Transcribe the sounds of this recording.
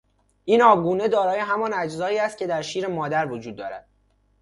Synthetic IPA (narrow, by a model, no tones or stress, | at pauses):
ʔiːnɒːbɡuːne̞d̪ɒːɾɒːje̞ɦæmɒnæd͡ʒzɒːiːæst̪̚cʰe̞d̪æɾʃiːɾemɒːd̪æɾvod͡ʒuːd̪̚ːɒ̰ːɾæ̰d̪̥̚